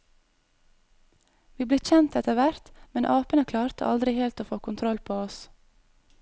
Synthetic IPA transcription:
ʋiːbleːçɛnt̪ɛt̪əʋæɾt̪mɛnʔɑːpənəkʰlɑːɾt̪ʰə̰ʔɑ̰ld̪ɾɪheːlt̪oːfoːkʊnt̪ʰɾɔlpʰoːɔs

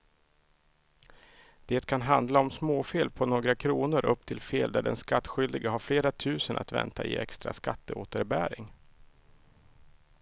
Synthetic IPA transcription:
d̪̥eːt̪kʰanɦand̪laɔmsmoːfeːlpʰɔnoːɡɾakʰɾuːnʊɾʔɵpːt̪ʰɪlfeːld̪æɖɛ̰nskat̪ːɧʏld̪ɪɡəɦaɾfleːɾat̪ʰʉ̟ːsənʔa̰t̪vɛ̰nt̪ʰaɪ̰ɛ̰kst̪ɾa̰skat̪ːəoːt̪əɾbæːɾɪŋ

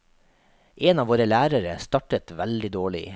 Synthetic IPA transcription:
ʔeːnɑːʋoːɾəlæːɾəɾəst̪ɑʈət̪ʋæld̪ɪd̪oːɭɪ̰

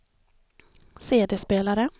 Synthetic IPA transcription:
seːd̪ɛspeːlaɾə

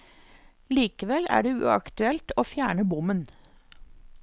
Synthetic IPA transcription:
liːkəʋɛlæ̰ːɖeːʉ̰ːɑ̰kt̪ʉɛlt̪oːfjæːɳəbʊmən

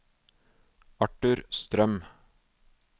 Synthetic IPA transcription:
ɑʈʉɾst̪ɾœm

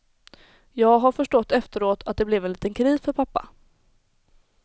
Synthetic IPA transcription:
jɑːɡɦaɾfœʂʈɔt̪ːɛft̪əɾoːt̪ʰat̪̚d̪ɛblɛvɛnliːt̪ənkʰɾiːsfœɾpʰapːa̰

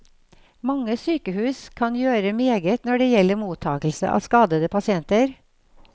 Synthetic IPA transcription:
mɑŋːəsyːkəhʉːskʰɑnjøːɾəmeːɡət̪nɔɖeːjɛlːəɾmuːt̪ʰɑːkl̩sə̰ʔɑ̰ːskɑːd̪əd̪əpʰɑsɪɛnt̪əɾ

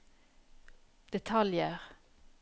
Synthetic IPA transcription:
d̪̥ɛt̪ʰɑljəʁ

